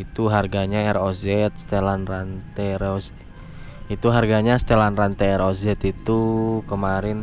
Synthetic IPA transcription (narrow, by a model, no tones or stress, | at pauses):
it̪uɦarɡaɲaɛrozɛt̪̚st̪elanrant̪ɛɾoz | it̪uɦarɡaɲast̪elanrant̪ɛɛɾozɛt̪it̪ukəmaɾɪn